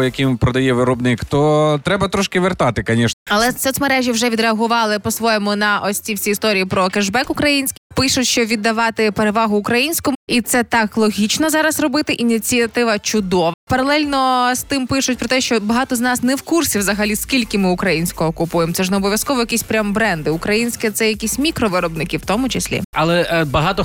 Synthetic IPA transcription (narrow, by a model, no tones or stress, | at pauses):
jɐkʲɪmpɾɔd̪ɐjɛʋɪɾɔbnɪkt̪ɔt̪ɾɛbɐt̪ɾɔʃkɪʋert̪ɑt̪ɪkɐnʲiʃɛɐlˠɛsɔsʲmɐɾɛʒʲjiwʒɛʋʲid̪ɾeɐɦʊʋɑlˠɪpɔsʋɔjɛmʊnɐʔɔsʲt͡sʲiwsʲiːst̪ɔɾʲijipɾɔkɛʒbɛkʊkɾɐjinʲsʲkʲɪpɪʃʊtʲʃt͡ʃɔʋʲid̪ːɐʋɑt̪ɪpeɾeʋɑɦʊːkɾɐjinʲsʲkɔmit̪sɛt̪ɑklˠɔɦʲit͡ʃnɔzɑɾɐsrɔbɪt̪ɪʔinʲit͡sʲiɐt̪ɪʋɐt͡ʃʊd̪ɔʋɐpɐɾɐlˠɛlʲnɔst̪ɪmpɪʃʊtʲpɾɔt̪ɛʃt͡ʃɔbɐɦɑt̪ɔznɑsnɛwkursʲiwzɐɦɐlʲiskʲilʲkɪmɪʊkɾɐjinʲsʲkɔɦɔːkʊpujemt̪ɛʒnɛɔbɔʋʲjɐskɔʋɔjɐkʲisʲpɾʲambɾɛnd̪ɪʊkɾɐjinʲsʲkɛt̪sɛjɐkʲisʲmʲikɾɔʋɪɾɔbnɪkʲiwt̪ɔmʊt͡ʃesʲlʲḭɐlˠɛbɐɦɑt̪ɔ